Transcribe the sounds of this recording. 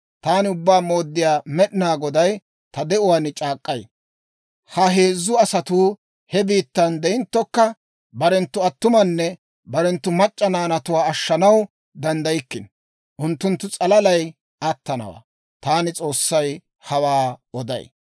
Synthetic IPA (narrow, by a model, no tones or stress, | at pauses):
t̪aːnɪʊbːaːmo̞ːd̪ːɪjaːmɛɗɪnaːɡɔd̪ɐj | t̪ɐd̪ɛʊwaːnɪt͡ʃʼaːkʼːɐj | hɐɦe̞ːzːʊɐsɐt̪uː | hɛbiːt̪ːɐnd̪ɛɪnt̪ːɔkːɐ | bɐɾɛnt̪ːʊɐt̪ːʊmɐnːɛ | bɐɾɛnt̪ːʊmɐt͡ʃʼːɐnaːnɐt̪ʊwaːɐʃːɐnɐw | d̪ɐnd̪ɐjɪkːɪn | ʔʊnt̪ːʊnt̪ːʊt͡sʼɐlɐlɐj | ɐt̪ːɐnɐ̰wa̰ː | t̪aːnɪt͡sʼo̞ːsːɐj | hɐwaːɔd̪ɐ̰j